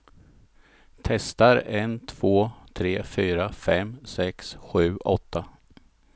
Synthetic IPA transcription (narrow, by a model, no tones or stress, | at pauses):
t̪ʰɛst̪aɾɛnt̪ʰv̥oːt̪ʰɾeːfyːɾafɛmsɛksɧʉ̟ːʔɔt̪ʰːa